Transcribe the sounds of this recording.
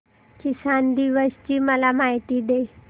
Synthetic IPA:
kɪsand̪iʋəst͡ɕiːməlamaɦit̪id̪e

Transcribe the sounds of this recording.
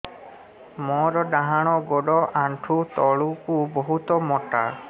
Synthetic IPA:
mɔɾɔdaɦaɽ̃ɔɡɔɖɔʔaɳʈʰut̪ɔɭukubɔɦut̪ɔmɔʈa̰

